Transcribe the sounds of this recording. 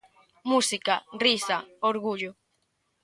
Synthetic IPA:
musikarisaoɾɣuʎo

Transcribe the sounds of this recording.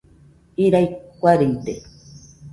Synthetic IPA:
iɾajkʷaɾent̪e

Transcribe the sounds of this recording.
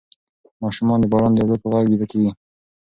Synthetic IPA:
mɑʃumɑnd̪əbɑɾɑnd̪awlat̪̚pəɣaɡɡid̪akewi

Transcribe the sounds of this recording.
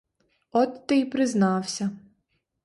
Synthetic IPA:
ɔt̪ːɪjpɾɪznɑwsʲɐ

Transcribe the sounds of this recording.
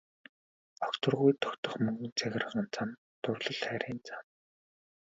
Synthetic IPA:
ɔkt̪ə̆rʁujt̪ʰɔ̥kt̪ə̆χmɵŋɡɵ̆nt͡sʰæɣʲɪ̆rə̆ʁə̆nt͡sʰam | t̪ʰʊrɮə̆ɮχæːɾʲiːnt͡sam

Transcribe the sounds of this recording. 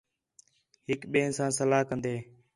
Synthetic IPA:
ɦɪkɓeːɪnsãːnsəlaːɦkənd̪eː

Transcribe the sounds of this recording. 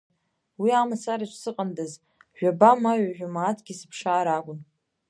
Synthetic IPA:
wiamasaɾaʃʷʰsɨqʼandaz | ʒᶣabamaɥaʒᶣamaːtʰʼɡʲisɨpʰʂaːɾaɡʷʊn

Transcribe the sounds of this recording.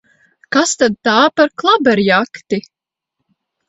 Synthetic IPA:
kast̪ad̪̚t̪aːpaɾklˠabɛɾjakt̪i

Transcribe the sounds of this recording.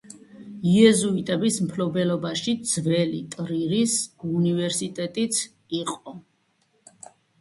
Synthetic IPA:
iɛzuit̪ʼɛbismpʰlɔbɛlɔbaʃid̪z̥vɛlḭt̪ʼɾiɾisunivɛɾsit̪ʼɛt̪ʼit̪sʰ | iqʼɔ

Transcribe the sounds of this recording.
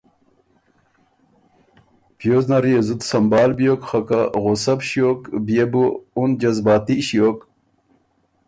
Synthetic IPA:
pjoːznɐɾiezut̪sɐmbaːlbjoːkxɐkaʁosɐbɕjoːkbijebuun̚d͡ʑɐzbaːt̪iɕijok

